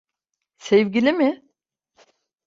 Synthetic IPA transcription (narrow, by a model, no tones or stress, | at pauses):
sevɟilʲimɪ